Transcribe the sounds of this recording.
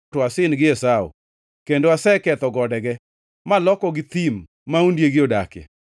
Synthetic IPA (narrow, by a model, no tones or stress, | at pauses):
toasɪnɡɪɛsao̰ | kendoasɛkɛt̪ɔɡɔdɛɡɛ | malɔkɔɡɪt̪imː | aundjeɡɪodakɛ̰